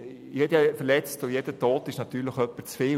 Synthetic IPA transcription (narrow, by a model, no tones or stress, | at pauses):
jɛdjfəlɛt͡stʊjɛd̥ətʰoːtɪʃnɑt̪yːɾləxœpːət͡sfeː